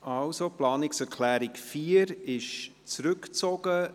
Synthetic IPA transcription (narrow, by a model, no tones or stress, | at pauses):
ʔɑlsoplɑːnɪksɛɾkʰlæːɾɪkfiːəɾɪʃ | t͡sɾʉkt͡soɡ̥ə